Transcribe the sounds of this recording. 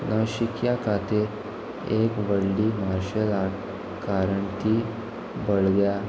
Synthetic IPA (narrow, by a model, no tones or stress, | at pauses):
nəɕikʰjakʰat̪e | ekʋəɽːiːmaɾɕəlaʈ | kaɾəɳt̪iː | bəɭɡja